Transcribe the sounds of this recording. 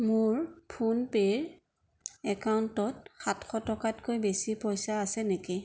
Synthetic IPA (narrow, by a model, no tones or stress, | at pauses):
mʊɹpʰunpeɹ | ɛkawntɔtxatxɔtɔkatkojbesipɔjsaːsɛnekɛ